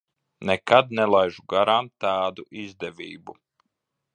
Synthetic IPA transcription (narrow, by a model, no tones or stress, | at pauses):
nɛkad̪̚nɛlˠajʒuɡaɾamt̪aːd̪uʔizd̪ɛviːbu